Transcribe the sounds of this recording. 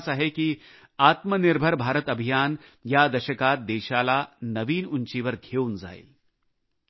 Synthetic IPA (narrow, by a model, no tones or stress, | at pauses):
saɦeki | aːt̪mənɪɾbʱəɾbʱaːɾət̪ɐbʱijaːnjad̪ɐʃəkaːt̪̚d̪eːʃaːlanɐʋiːnʊ̃nt͡ʃiʋɐɾɡʱʰeːwnza̰ːḭ